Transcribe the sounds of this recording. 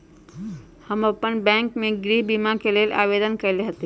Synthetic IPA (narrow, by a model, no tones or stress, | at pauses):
hɐmɐpənbɛ̃ːŋkmẽɡɾiɦbimakeleːla̰ːʋeːd̪ənkɐɾleɦət̪e